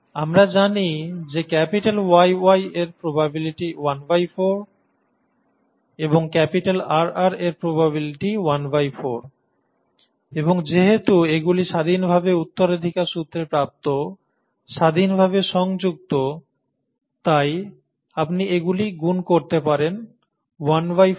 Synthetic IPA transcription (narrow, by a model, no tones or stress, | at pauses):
amɾad͡ʑanid͡ʑekɛpiʈalwajwajeɾpɾobabiliʈiwanbajfoɾ | eboŋkɛpiʈalaɾaɾeɾpɾobaβiliʈiwanbajfoɾ | eboŋd͡ʑeɦet̪ueɡuliʃad̪ʱinbʱabeut̪ːoɾed̪ʱikaɾʃut̪ːɾepɾap̚t̪o | ʃad̪ʱinbʱabeʃɔŋd͡ʑuɡ̚t̪o | t̪aj | apniʔeɡuliɡunkoɾt̪epaɾen | wanwaj